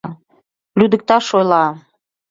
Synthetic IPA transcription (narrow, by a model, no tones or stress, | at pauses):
lyd̪ə̆k̚t̪ɑʃojlɑ